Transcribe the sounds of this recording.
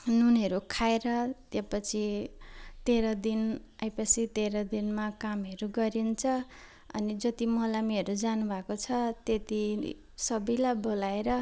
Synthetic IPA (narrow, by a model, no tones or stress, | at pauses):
nunʌɾukʰaeɾʌt̪japʌt͡sʰi | t̪eɾʌd̪inajpʌsit̪eɾʌd̪inmakamɦʌɾuɡʌɾint͡sʰʌ | ʌ̰nid͡zʌt̪imʌlamiɦʌɾud͡zanubʱakot͡sʰʌt̪et̪i | sʌbʌjlajbolaeɾʌ